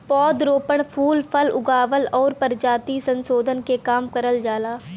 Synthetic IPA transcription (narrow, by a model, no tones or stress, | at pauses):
pɔːd̪ɾoːpəɳ̃pʰuːlpʰəlʊɡaːʋəlɔːɾpəɾd͡ʒaːt̪isə̃nsoːd̪ʱənkekaːmkəɾəld͡ʒaːlaː